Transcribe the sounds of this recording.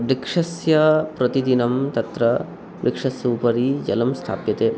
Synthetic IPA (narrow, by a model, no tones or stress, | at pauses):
bɾikʂɐsjɐpɾɐt̪id̪inɐmt̪ɐt̪ɾɐ | ɾikʂɐsjɐːpɐɾid͡ʒɐlɐmst̪ʰa̰ːpjɐt̪eː